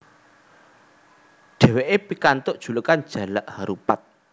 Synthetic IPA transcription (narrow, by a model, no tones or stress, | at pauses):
ɖ̥ɛ̤weʔepikant̪ʊʔd̥ʒ̥ṳlukand̥ʒ̥ä̤laʔhaɾupat̪̚